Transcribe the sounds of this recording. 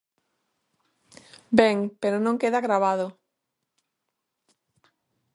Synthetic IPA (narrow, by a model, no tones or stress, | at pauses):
bɛŋpeɾonõŋkeðaɣɾaβaðʊ